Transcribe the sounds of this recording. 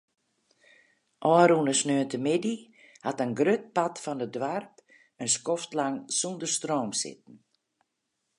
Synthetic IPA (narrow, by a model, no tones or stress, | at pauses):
ʔɔːɾunəsnøəntəmɪdi | hatənɡrøt̚patfɔnədwart | ənskɔftlaŋsundərstroːmsɪ̰t̚n̩